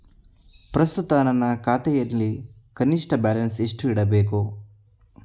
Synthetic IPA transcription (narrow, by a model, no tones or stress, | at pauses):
pɾɐst̪ut̪aːnɐnːɐkaːt̪ɛjɐlːi | kɐniʂʈɐbaːlɐnseʂʈuiɽɐbeːku